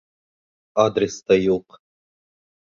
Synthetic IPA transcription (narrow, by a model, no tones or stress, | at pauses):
ad̪ɾʲest̪ɑjuq